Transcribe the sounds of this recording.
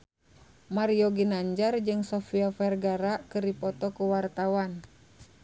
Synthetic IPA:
maɾiɔɡinaɲd͡ʒard͡ʒɨŋsɔfiafɛrɡaɾakɨrdipɔt̪ɔkuwart̪awan

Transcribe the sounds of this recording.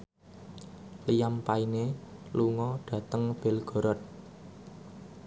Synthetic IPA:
lijampaineluŋɔɖ̥ä̤t̪əŋb̥e̤lɡ̥ɔ̤ɾɔt̪̚

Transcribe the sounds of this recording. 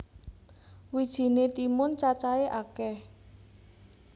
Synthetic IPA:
wid̥ʒ̥i̤net̪imʊnt͡ʃat͡ʃaeʔakɛh

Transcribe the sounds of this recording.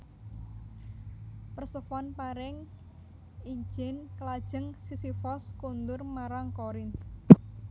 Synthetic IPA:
pərsəfɔnpaɾɪŋ | iɲd͡ʒɪnkəlad̥ʒ̥ə̤ŋsisifɔskund̪ʊrmaɾaŋkoɾɪnt̪

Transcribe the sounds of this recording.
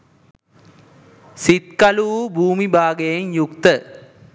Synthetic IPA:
sit̪̚kɐluʋubʱuːmibʱaːɡejeŋjukt̪ə

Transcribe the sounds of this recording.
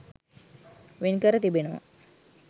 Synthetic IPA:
ʋenkəɾət̪ibenəʋə̰

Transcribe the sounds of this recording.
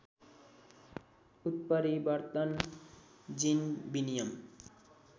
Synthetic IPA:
ut̪̚pʌɾibʌɾt̪ʌn | d͡zinbinijʌm

